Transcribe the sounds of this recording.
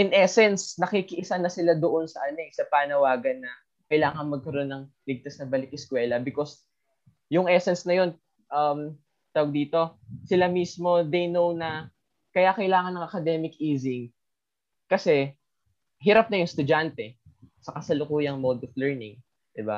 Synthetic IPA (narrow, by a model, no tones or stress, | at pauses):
ʔɪnʔɛsɛnsnɐkikɪʔɪsɐnɐsɪlad̪oʔonsɐʔɐnosɐpaːnɐwaːɡɐnːɐ | kɐjlaːŋɐnmɐɡ̚kɐɾo̞nːɐŋ | lɪɡ̚t̪asnɐbɐlɪk̚ɪskwɛːlɐbɪko̞s | jʊŋʔɛsɛnsnɐjo̞n | ʔɐm | t̪ɐwɐɡ̚d̪iːt̪o̞sɪlamismo̞d̪ɛjnownɐ | kɐjakɐjlaːŋɐnːɐŋʔɐkɐd̪ɛːmɪkiːzɪŋ | kɐsɛ | ɦɪɾap̚nɐjʊŋst̪ʊd͡ʒant̪ɛ | sɐkɐsɐlʊkuːjɐŋmod̪oflɛɹnɪŋ | d̪̥ɪba̰